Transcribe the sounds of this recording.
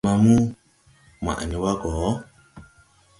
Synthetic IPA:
ma˨mu˦ | m˨a̰˨ʔa̰˨ɲi˨˦wa˦ɡɔː˨˦

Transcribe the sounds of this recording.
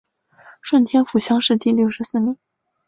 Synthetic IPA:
ʂwə˥˩nt̪ʰjɛ˥nfu˨˩ɕjɑ˥ŋʂɻ̩˥˧t̪i˥˧ljo˥˩ʊʂɻ̩˧˥sɹ̩˥˩mi˧˩˦

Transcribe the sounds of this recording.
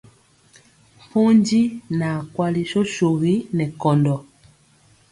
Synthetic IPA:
m˨pɔ˦ɲd͡ʒi˦na˨kwa˦li˦ʃɔ˦ʃu˨ɣi˦nɛ˨kɔ˨ndɔ˨

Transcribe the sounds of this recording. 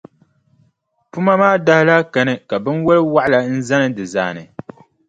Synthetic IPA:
pu˦ma˦maː˦da˦hɪ˦la˦ka˨nɨ˦ka˨bɨ˦nwo˦lɨ˦wa˦ʔla˨n̩˦za˦nɨ˦dɨ˨za̰ː˨nɨ˨

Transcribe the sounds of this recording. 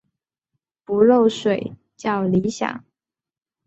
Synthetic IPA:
pu˧˥ɻo˥˩ʊʂwe˨˩ɪ | t͡ɕjɑ˥˩ʊli˧˥ɕja̰˨˩˦

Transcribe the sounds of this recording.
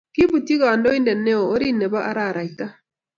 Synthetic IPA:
ki˦βu˨ti˦ɣa˨ndɔ˦i˦ndɛ˨nɛ˦o˨o˦ɾi˦nɛ˨βa˦ʔa˦ɾa˦˨ɾa˨i˨ta˦

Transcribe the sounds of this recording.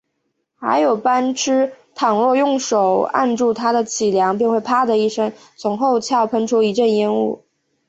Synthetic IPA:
xa˧˥ɪjo˨˩ʊpa˥nʈ͡ʂʰɻ̩˥t̪ʰɑ˨˩ŋlwɔ˥˧jʊ˥˩ŋʂo˨˩ʊa̰˥˧nʈ͡ʂu˥˩t̪ʰa˥d̪ə˨t͡ɕʰi˨˩ljɑ˧˥ŋpi˥˧ŋxwe˥˩ɪpʰa˥d̪ə˨i˥˩ʂə˥ŋ | t͡sʰʊ˧˥ŋxo˥˧ʊt͡ɕʰjɑ˥˩ʊpʰə˧˥nʈ͡ʂʰu˥i˧˥ʈ͡ʂə˥˩ni˥nṵ˥˩

